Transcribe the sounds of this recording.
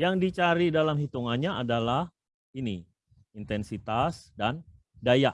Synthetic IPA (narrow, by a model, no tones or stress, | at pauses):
jaŋdit͡ʃaɾidalamɦit̪uŋanɲaʔadalah | ini | int̪ɛnsit̪asdan | dajaʔ